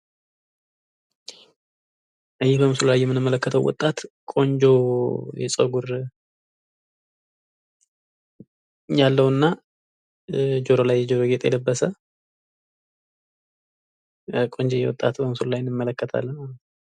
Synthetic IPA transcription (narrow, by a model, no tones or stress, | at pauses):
ʔɨjɪhbəmɨsululajːɛmːɨnɨmːələkːət̪ʰəwwɔ̰t̪ʼːat̪kʼo̞ɲd͡ʒo̞jɛ̰sʼəɡuɾ | jalːəwnːa | d͡ʒo̞ɾolajːɛd͡ʒo̞ɾoɡet̪ʼjɛ̰ləbːəsə | kʼo̞ɲd͡ʒojɛ̰wɔ̰t̪ʼːat̪bəmsululajnːɨmːələkːət̪ʰa̰lːənmalət̪n